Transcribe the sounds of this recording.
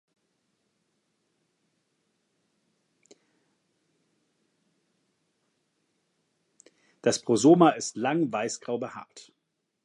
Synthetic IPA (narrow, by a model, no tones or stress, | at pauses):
d̥aspʁ̥ozoːmaɪstlaŋvaɪsɡ̥ʁaʊbəha̰ɐt